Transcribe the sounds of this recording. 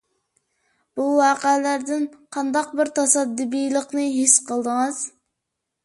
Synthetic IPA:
b̥uwɑːqəlæɾd̪ɪnqʰɑnd̪ɑqbɪɾt̪ʰɑsɑd̪ːɨbijlˠəqnɨɦisqʰəlˠd̪əŋɨz̥

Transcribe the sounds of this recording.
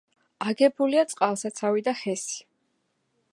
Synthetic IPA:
aɡɛbuliat̪sʼqʼalˠsat̪sʰavid̪aχɛsi̥

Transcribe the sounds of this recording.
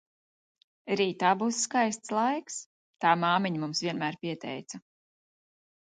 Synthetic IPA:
ɾiːt̪aːbuːsːkajst̪slˠajks | t̪aːmaːmiɲmumsvʲiɛnmæːɾpʲiɛt̪ɛ̰jt̪sa

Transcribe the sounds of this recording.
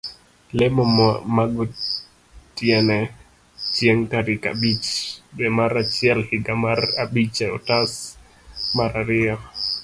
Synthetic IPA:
lɛmɔmmaɡɔ | tjɛnɛ | t͡ʃjɛŋkaɾɪka̰bit͡ʃbɛmaɾat͡ʃɪɛlhɪɡamarabit͡ʃɛɔtas | maɾaɾɪɔ

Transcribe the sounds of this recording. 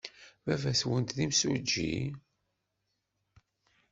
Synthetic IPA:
vævæswənt̪ðimsud͡ʒːḭ

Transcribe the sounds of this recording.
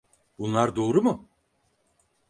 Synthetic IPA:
bunlˠaɾd̪o̞ːɾumʊ

